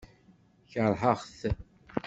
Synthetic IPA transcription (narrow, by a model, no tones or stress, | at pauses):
çəɾˤħəʁθ